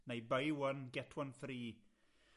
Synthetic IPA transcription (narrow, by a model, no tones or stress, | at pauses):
nejbəjwənɡɛtʰwanfriː